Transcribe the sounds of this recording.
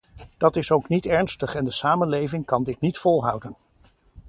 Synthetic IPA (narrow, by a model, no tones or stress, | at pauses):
d̥ɑtɪsowknitɛɹnstəχɛndəsaːmənlejvɪŋkɑndɪt̚nitfɔlˠɦʌwdən